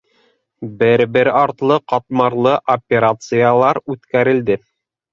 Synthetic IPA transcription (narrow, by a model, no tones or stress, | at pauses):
bɘɾbɘɾɑɾt̪lˠɤqɑt̪mɑɾlˠɤʔopʲeɾat̪sɨjalˠɑɾʉt̪kæɾɘ̆ld̪ɘ